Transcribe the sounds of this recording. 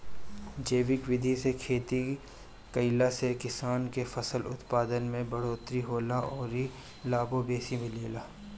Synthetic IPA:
d͡ʒeːʋɪkʋɪd̪ʱisekʰeːt̪i | kɐɪlasekɪsaːnkefɐsəlʊ̰t̪paːd̪ənmẽbɐɽoːt̪ɾiɦoːlaɔːɾi | laːbobeːsimẽleːlaː

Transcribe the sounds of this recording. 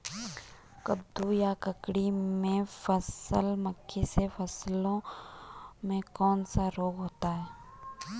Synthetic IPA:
kəb̚d̪ujakəkɽimẽfəsəlməkʰːisefʰəslõ | mẽkɔːnsaɾoːɡɦoːt̪aɦɛː

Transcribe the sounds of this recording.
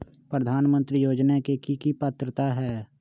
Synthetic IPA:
pɾəd̪ʱaːnmə̃nt̪ɾijoːd͡ʒnakekikipət̪ɾət̪aɦɛː

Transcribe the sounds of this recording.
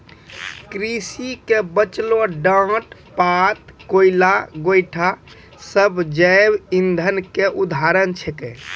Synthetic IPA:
kɾisikebət͡ʃloɖə̃ʈ | pat̪̚koilaɡojʈʰa | səbʱd͡ʒəjbind̪ʱənkeʔud̪ʱaɾənt͡ʃʰɛke

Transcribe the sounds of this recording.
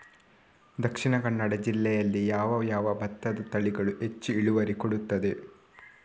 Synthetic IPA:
d̪ɐkʂiɳɐkɐɳːɐɽɐd͡ʒilːɛjɐlːijaːʋɐjaːʋɐbɐt̪ːɐd̪ɐt̪ɐɭiɡɐɭue̞t͡ʃːuiɭuʋɐɾikoɽut̪ːɐd̪e

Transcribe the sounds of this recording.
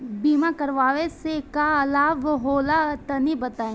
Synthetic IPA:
biːmãkɐɾʋaːʋesekaɐlaːbɦoːlat̪ɐnibɐt̪ãː

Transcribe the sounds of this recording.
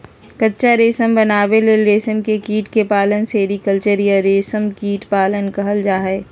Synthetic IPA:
kətːʃaɾeːsəmbənaːʋeleɾeːsəmkekiːʈkepaːlənseːɾikəlt͡ʃəɾiəɾeːsəmkiːʈpaːlənkɐɦəld͡ʒaːɦɛː

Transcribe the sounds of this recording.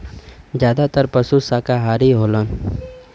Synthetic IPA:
d͡ʒjaːd̪at̪əɾpəsusaːkaɦaːɾiɦoːlən

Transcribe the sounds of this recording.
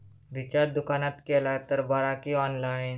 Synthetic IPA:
ʋit͡ʃaɾd̪ukanat̪kelat̪əɾbaɾakiɔːnlain

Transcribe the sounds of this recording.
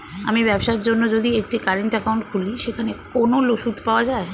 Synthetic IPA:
a̰mibɛbʃaɾd͡ʒonːod͡ʒod̪iek̚ʈikaɾeɳʈəkauɳʈkʰuliʃekʰanekonoloʃut̪paoad͡ʑae

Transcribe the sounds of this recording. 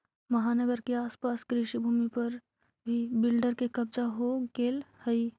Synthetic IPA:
mɐɦaːnəɡəɾkeaːspaːskɾiʃibʱuːmipɐɾ | bʱibɪlɖəɾkekɐbd͡ʒaɦoɡeːlhəi

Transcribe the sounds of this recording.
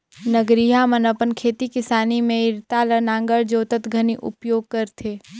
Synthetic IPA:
nəɡɾiɦamənəpənkʰeːt̪ikɪsaːnimẽɪɾt̪aːlənãːŋɡəɾd͡ʒoːt̪ət̪ɡʱəniʔʊ̰pjoːɡ̚kəɾt̪ʰeː

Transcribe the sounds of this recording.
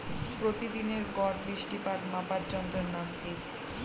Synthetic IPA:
pɾot̪id̪ineɾɡɔɾbiʃʈipad̪mapaɾd͡ʑɔnt̪oɾnamke

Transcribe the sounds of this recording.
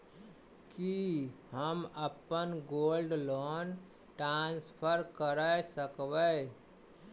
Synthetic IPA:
kihəməpənɡolɖlon | ʈɾanspʰəɾkəɾəsəkbə

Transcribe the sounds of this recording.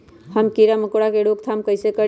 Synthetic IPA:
həmkiɾaməkoɽakeɽokt̪ʰamkəjsekə

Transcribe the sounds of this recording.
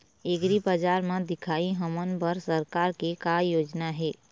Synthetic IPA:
eɡɾibad͡ʒaːɾmãd̪ɪkʰaːiɦəmənbəɾsəɾkaːɾkekajoːd͡ʒnaɦɛː

